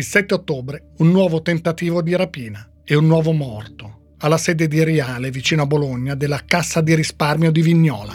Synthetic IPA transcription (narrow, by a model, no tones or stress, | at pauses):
ilsɛt̪ːeot̪ːoːbɾe | unːwɔːvot̪ent̪at̪iːvod̪iɾapiːna | ɛunːwɔːvomɔrt̪o | alːasɛːd̪ed̪iɾiaːlevit͡ʃiːnoaboloɲːad̪elːakasːad̪iɾisparmjod̪iviɲːɔːla̰